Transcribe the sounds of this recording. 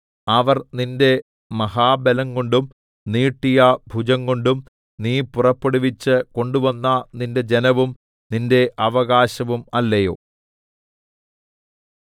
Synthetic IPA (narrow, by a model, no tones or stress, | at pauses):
ɐʋɐrninde̞ | mɐhaːbelɐŋɡoɳɖum | niːʈːijɐbʱud͡ʑɐŋɡoɳɖum | niːpurɐpːeɽuʋit͡ɕːɨko̞ɳɖuʋɐnːɐninde̞d͡ʑe̞nɐʋum | ninde̞ʔɐʋɐɣaːɕɐʋumɐlːɐjo̞̰ː